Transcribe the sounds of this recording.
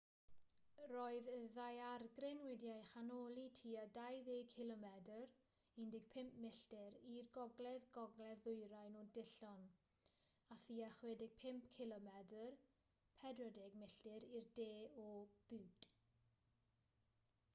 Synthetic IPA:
roːɨðəðajarɡrɪnwɪdjajχanoːlˠitʰiːadajðeːɡkʰɪlˠɔmɛdər | ɪndɪɡ̥̚pʰɪmpʰmɪɬd̥ɪɾirɡɔɡlɛðɡɔɡlɛðʊjɾajnɔdɪɬɔn | aθiːaχweːdɪɡ̥̚pʰɪmpkʰɪlˠɔmɛdər | pʰɛdrɔdeɡmɪɬd̥ɪɾirdeːɔb̥ɪwd̥

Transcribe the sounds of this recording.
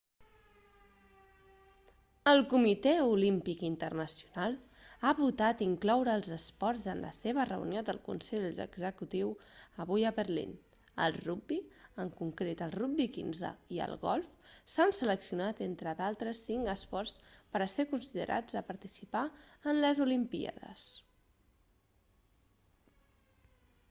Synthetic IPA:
əlˠkumit̪eulimpikint̪ərnəsiunalˠ | aβut̪at̪iŋklɔwɾəːlˠzəspɔɾzənlʔə̰seβ̞ərə̰ṵniod̪ə̰lˠkṵnsɛʎə̰ɡzəkut̪iwəβujəβəɾlḭn | ə̰lˠrubbiəŋkuŋkɾet̪əlˠrubbikḭnzə̰iə̰lˠɣɔlˠfsansələksiunat̪ent̪ɾəðalˠt̪ɾəsːiŋɡəspɔrspəɾəsekunsiðə̰ɾʔa̰d͡zəpəɾt̪isipaənləzulimpḭa̰ðə̰s

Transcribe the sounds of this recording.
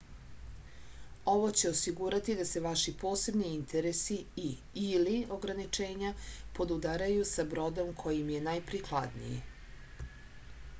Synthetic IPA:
o̞ʋo̞t͡ɕe̞osiɡuɾat̪id̪ase̞ʋaʃipo̞ːse̞bniint̪ʰeɾesii | ilio̞ɡɾanit͡ʃe̞ːɲapo̞d̪ud̪aɾajusabɾo̞d̪o̞mkʰo̞jimje̞najpɾiklˠad̪nḭjḭ

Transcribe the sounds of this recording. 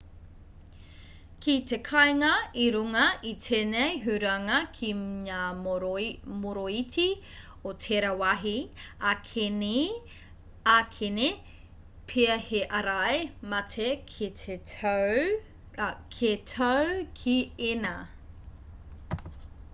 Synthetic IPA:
kitekʰɐeŋɐiɾuŋɐitʰeːnejɦʉɾɐŋɐkʰiŋaː | moɾoitʰi | otʰeɾɐwɐɦiak | akʰene | pʰiɐheʔɐɾaejmɐtʰekʰitʰe | kʰetʰowkʰiena

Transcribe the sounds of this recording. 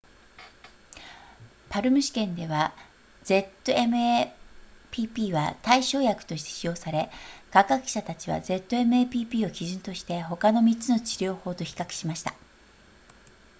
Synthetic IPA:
paɾɯ̟mɯ̟ɕi̥kẽ̞nd̪e̞βa | ze̞t̪ːo̞e̞mɯ̟e | pʲiːpʲiːβat̪aiɕo̞ːjakɯ̟̥t̪o̞ɕi̥t̪eɕijo̞ːsaɾe̞kaɡakɯ̟̥ɕat̪at͡ɕiβ̞a̰ze̞t̪ːo̞e̞mɯ̟epʲiːpʲiːo̞kʲiʑɨ̃nt̪o̞ɕi̥t̪e̞ɦo̞kano̞mʲit͡sɨno̞t͡ɕiɾʲo̞ːho̞ːt̪o̞çi̥kakɯ̟̥ɕimaɕi̥t̪a

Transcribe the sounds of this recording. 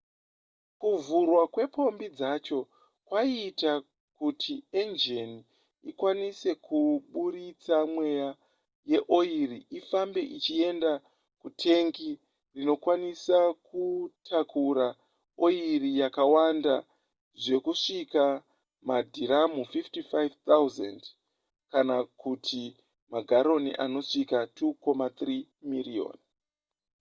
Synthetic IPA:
kuvurwakwe̞pʰo̞mbid͡zat͡ʃo̞ | kwaita | kutʰiend͡ʒeni | ikwanise̞kʰuɓuɾit͡samwe̞ja | je̞ʔo̞iɾiifambe̞ʔit͡ʃie̞nda | kutʰe̞ŋɡi | rino̞kwanisakutʰakuɾa | o̞iɾijakawanda | ʐe̞kuʂika | madʱiɾamufiftifajvt̪auzend | kanakutʰi | maɡʱaɾo̞nḭʔano̞ʂikatʰuko̞mat̪rimirio̰n

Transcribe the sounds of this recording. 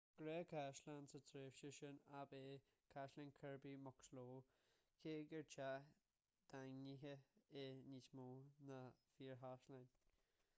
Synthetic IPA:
ɡ̥ɾɛːkʰaʃlansətʰɾeːfʃəʃənabeː | kʰaʃlanʲkʰəɹbimɔksloː | kʰeːɡəɹt͡ʃa | d̪̥aŋniɦəenitmoːnəfiːɹɦaʃlan

